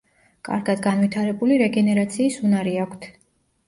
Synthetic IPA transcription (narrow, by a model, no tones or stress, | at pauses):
kʼa̰ɾɡad̪ɡanvit̪ʰaɾɛbuliɾɛɡɛnɛɾat̪sʰiːsunaɾiakʷʰt̪ʰ